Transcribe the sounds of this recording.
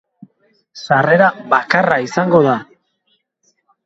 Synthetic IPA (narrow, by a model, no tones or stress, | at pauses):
sare̞ɾaβakaraisaŋɡo̞ða